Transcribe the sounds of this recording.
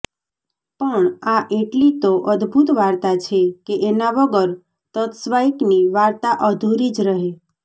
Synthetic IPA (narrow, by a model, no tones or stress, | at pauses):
pəɳaʔeʈlit̪oʔəd̪bʱut̪ʋaɾt̪at͡ʃʰekeʔenaʋəɡəɾ | t̪ət̪sʋajkniʋaɾt̪aʔəd̪ʱuɾid͡ʒɾəɦe